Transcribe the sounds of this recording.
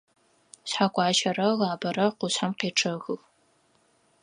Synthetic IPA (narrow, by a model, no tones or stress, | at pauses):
sħaːkʷʼɑːʒɐrɐɣaːbɐɾɐqʷʊɕħamqeːʈ͡ʂʰɐɣɨx